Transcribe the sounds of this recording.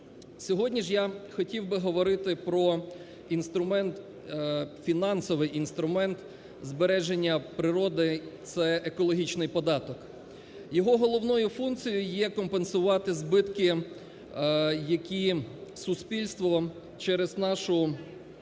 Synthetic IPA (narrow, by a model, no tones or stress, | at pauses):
sʲɔɦɔdʲnʲiʒjaxɔtʲiwbɪɦɔʋɔɾɪt̪ɪpɾɔ | inst̪ɾʊmɛnt̪ | fʲinɑnsɔʋɪjʔinst̪ɾʊmɛnt̪ | zbeɾɛʒenʲːɐpɾɪɾɔd̪ɪt̪sɛʔekɔlˠɔɦʲit͡ʃnɪjpɔd̪ɑt̪ɔk | jɔɦɔɦɔlˠɔwnɔjʊfunkt͡sʲijʊjjɛkɔmpensʊʋɑt̪ɪzbɪt̪kɪ | jɐkʲisʊspʲilʲst̪ʋɔ | t͡ʃɛɾeznɑʃʊ